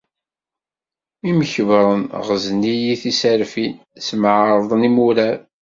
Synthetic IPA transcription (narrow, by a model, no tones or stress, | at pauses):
iməçəvɾˤənʁəznijiθisaɾfin | smʕɾˤðˤənimuɾæɾ